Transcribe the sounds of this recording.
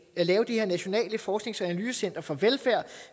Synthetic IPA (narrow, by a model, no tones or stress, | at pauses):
ælɛːʊəd̥iheɐnæɕo̝nɛ̰ːləfɒːsɡ̥ne̝ŋsænælyːsəsen̰d̥ʁɐfɒ̽ʋelfæɐ̰